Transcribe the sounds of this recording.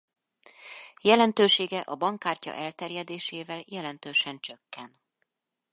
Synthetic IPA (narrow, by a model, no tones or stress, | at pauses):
jɛlɛnt̪øːʃeːɡɛʔɒbɒŋkaːrcɒ̰ʔɛlt̪ɛrjɛd̪eːʃeːvɛljɛlɛnt̪øːʃɛnt͡ʃø̞kːɛn